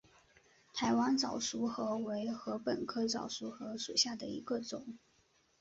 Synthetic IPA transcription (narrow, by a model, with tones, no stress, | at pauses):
t̪ʰa˧˥ɪwa˥nt͡sɑ˨˩ʊʂu˧˥xɤ˧˥we˧˥ɪxɤ˧˥pə˨˩nkʰɤ˥t͡sɑ˨˩ʊʂu˧˥xɤ˧˥ʂu˨˩ɕja˥˩d̪ə˩ḭ˧˥ɡə˧t͡sʊ˨˩˦ŋ